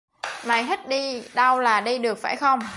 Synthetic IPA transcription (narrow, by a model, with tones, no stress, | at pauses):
ma˨˩jɦi˦˥t̚ɗi˧ɗa˧wlaː˨˩ɗi˧ɗɨ˨˩ək̚fa̰ː˧˩jxə˧wŋ͡m